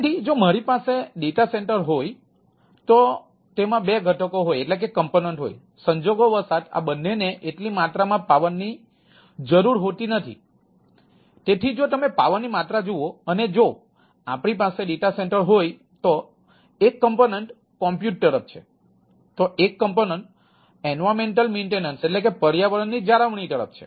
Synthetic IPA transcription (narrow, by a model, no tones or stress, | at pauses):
t̪ʰid͡ʒomaɾipaseɖeʈaseɳʈəɾɦoj | t̪o | t̪emãbeɡʱəʈʰəkoɦojeʈlek̬ekəmponeɳʈɦo̰j | səɲd͡ʒoɡoʋəɾsat̪ʰa̰bənːeneʔeʈlimat̪ɾamãpaʋənːi | d͡ʒəɾuɾɦot̪inət̪ʰḭ | t̪et̪ʰid͡ʒot̪əmepaʋənːimat̪ɾad͡ʒuoəned͡ʒo | apɽ̃ipaseɖeʈaseɳʈəɾɦoj | t̪o | ekːəmponeɳʈ | kɔ̃mpjuʈ̚t̪əɾəp̚ʰt͡ʃʰe | t̪oʔekːəmponəɳʈ | enʋameɳʈəlmeɳʈenənseʈlekepəɾjaʋəɾənːid͡ʒaɾəʋɳ̃it̪əɾə̰p̚ʰt͡ʃʰe̥̰